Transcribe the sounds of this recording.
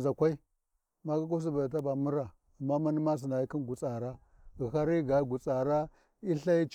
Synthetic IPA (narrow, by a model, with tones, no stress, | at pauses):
za˨kʷa˦i˦ | ma˦ka˦k̬u˦s̬i˦ba˨da˨t̬a˦ba˨mu˦ɾa˨ | a˨mːa˦ma˦ni˦ma˦s̬i˨na˨ji˦ki˦nɡu˨t͡sa˨ɾa˦ | ɣi˨xa˦ɾi˦ɡa˨˦ɡu˨t͡sa˨ɾa˦ | i˦ɬa˦i˦t͡ʃ